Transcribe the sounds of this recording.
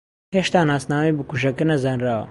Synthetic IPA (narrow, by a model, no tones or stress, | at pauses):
ɦeʃt̪aːnaːsnaːmɐjbɨkuʃɐkɨnɐzanraːwɐ̰